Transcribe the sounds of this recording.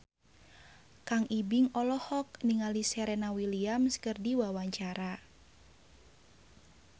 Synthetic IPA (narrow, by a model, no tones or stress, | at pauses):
kaŋibɪŋɔlɔhɔk̚niŋalisɛɾɛnawiliamskərdiwawaɲt͡ʃaɾa